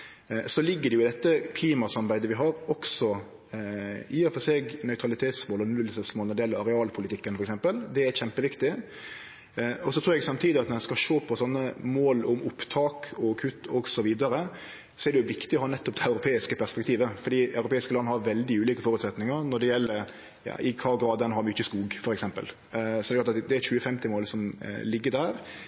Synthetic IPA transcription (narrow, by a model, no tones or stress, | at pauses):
sɔlɪɡːəɖɛjʊɪd̪ɛt̪ːəkʰliːmɑsɑmbæɪd̪əʋɪɦɑːɾɔksɔ | iːɑfɔseːɡnœʏt̪ʰɾɑlɪt̪ʰeːt̪smoːlɔnʉlsəsmoːlɔdɖɛjɛlːəɾɑɾɛɑːlpʰʊlɪt̪ɪkːənfɔɾɛksɛmpəld̪ɛæɾçɛmpəʋɪkt̪ɪ | ɔsɔt̪ʰɾuːɾɛɡsɑmt̪ʰiːd̪ɪɑt̪nɔɾɛskɑʃoːpʰɔsɔnːəmoːlʊmʊpt̪ʰɑːkʰɔkʰʉt̪ːɔɡsɔʋiːd̪ɑɾə | sɔɛɾɖ̪ɛjʊʋɪkt̪ɪɔhɑːnɛt̪ːɔp̚d̪ɛɑʉɾʊpʰeːɪskəpʰæɾspɛkt̪ʰiːʋəfɔɖ̪iːɑʉɾʊpʰeːɪskəlɑnːəhɑɾʋɛld̪ɪʉːliːkəfɔɾʉt̪sɛt̪nɪŋəɾnɔɖɛjɛlːəɾ | jɑ̰ːʔɪkʰɑːɔɡɾɑːd̪ɛnɦɑɾmʏt͡ʃːəskuːɡfɔɾɛksɛmpə̰l | sɔdɛklɑt̪ɑt̪d̪ɛæɾçʉːəfɛmt̪ɪmoːlsɔmlɪɡːəɾd̪æːɾ